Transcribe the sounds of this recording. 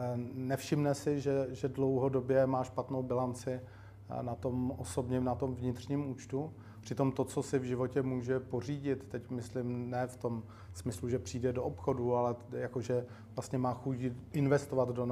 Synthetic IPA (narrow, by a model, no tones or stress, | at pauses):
nɛfʃɪmnɛsɪʒɛʒɛdlo̞wɦo̞do̞bjɛmaːʃpat̪nowbɪlant͡sɪ | nat̪o̞mʔoso̞bɲɛmnat̪o̞mvɲɪt̪r̥ɲiːmuːt͡ʃt̪u | pr̥ɪt̪o̞mt̪o̞t͡so̞sɪvʒɪvo̞cɛmuːʒɛpo̞r̝iːɟɪt̪ːɛcmɪslɪmnɛːft̪o̞m | smɪsluʒɛpr̝̥iːdɛdoʔopxo̞dualɛjakoʒɛ | vlast̪ɲɛmaːxucʔɪnvɛst̪ovad̪don